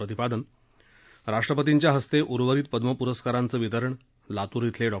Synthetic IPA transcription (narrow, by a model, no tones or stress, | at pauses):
ɾət̪ipad̪ən | ɾaʂʈɾəpət̪iɲt͡ɕjaɦəst̪eʔuɾʋəɾiːt̪̚pəd̪məpuɾəskaɾant͡səːʋit̪əɾəɳ | lat̪uːɾit̪ʰleɖɔ